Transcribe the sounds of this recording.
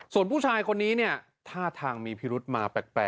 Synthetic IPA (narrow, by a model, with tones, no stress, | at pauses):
su˨˩ənpʰuː˥˩t͡ɕʰaː˧jkʰo˧nːiː˦˥ni˥˩ɐ | t̪ʰaː˥˩t̪ʰaː˧ŋmiː˧pʰi˦˥ɾu˦˥t̪̚maː˧pɛ˨˩k̚pɛ̰ː˨˩